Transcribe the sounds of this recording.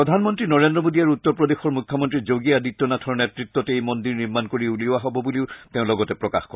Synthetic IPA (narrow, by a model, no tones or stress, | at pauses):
ɹɔdʱanmɔntɹinɔɹendɹɔmodiaɹutːɔɹpɹɔdexɔɹmukʰːɔmɔntɹizoɡiadit̪ːɔnatʰɔɹnɛtɹit̪ːɔtejmɔndiɹniɹmankoɹiuliʊaɦɔbɔbuliʊteʊ̃lɔɡɔtɛpɹɔka̰xkɔɹɛ